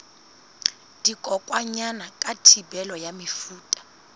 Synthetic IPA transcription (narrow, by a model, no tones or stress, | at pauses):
d̥ikʼɔkʼwaɲanakʼatʰibɛlɔjamifuːtʼḁ